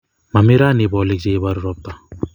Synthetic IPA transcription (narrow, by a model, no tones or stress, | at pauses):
mɐmiɾaːniboːlik̚d͡ʒejbaɾuɾɔp̚t̪a